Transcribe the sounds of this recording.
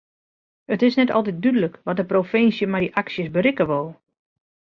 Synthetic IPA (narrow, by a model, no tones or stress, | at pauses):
ətɪsnɛtɔ̰lˠt̬ɛt̚dydələkʋɔt̚dəprofɪnsjəmɛʔaksjəsbəɾɪkəʋolˠ